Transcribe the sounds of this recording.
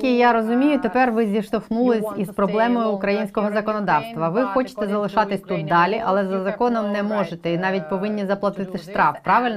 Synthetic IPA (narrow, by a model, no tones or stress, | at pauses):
kʲijaɾɔzʊmʲijʊt̪epɛrʋɪzʲiʃt̪ɔxnulˠɪsʲispɾɔblˠɛmɔjʊːkɾɐjinʲsʲkɔɦɔzɐkɔnɔd̪ɑwst̪ʋɐʋɪxɔt͡ʃɪ̥t̪ɛzɐlˠɪʃɑt̪ɪsʲt̪ut̪̚d̪ɑlʲiʔɐlˠɛzɐzɐkɔnɔmnɛmɔʒet̪ɛinɑʋʲit̚ʲpɔʋɪnʲːizɐplˠɐt̪ɪt̪ɪʃt̪ɾɑfpɾɑʋɪlʲn